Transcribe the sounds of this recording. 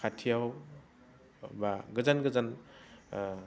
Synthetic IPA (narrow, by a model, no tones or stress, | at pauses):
kʰatʰijaw | baɡɯzanɡɯzan